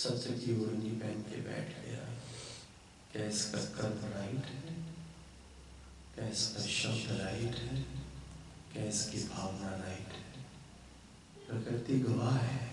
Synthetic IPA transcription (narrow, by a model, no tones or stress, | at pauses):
sɐbt̪ɐkiʊɾnipɛ̃ːnkḛbɛ̰ːʈʰɡɐ̰ja̰ | kɛːskɐkəɾbɾaːɪʈɦɛ | kɛːskaʃɐmd̪ɾaːɪʈɦɛː | kɛːskibʱaːʋnaɾaːɪʈɦɛ | mɐɡəɾt̪iɡɐʋaːɦɛː